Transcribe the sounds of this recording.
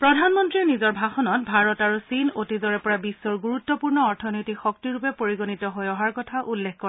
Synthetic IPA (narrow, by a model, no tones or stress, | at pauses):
pɹɔdʱanmɔntɹinizɔɹbʱaxɔnɔt̚bʱaɹɔtaɹusinotizɔɹɛpɔɹabisːɔɹɡuɹut̪ːɔpuɹnɔɔɹtʰɔnojtikxɔk̚tiɹupɛpoɹiɡonitɔɦojɔɦaɹkɔtʰaʔulːekkɔɛ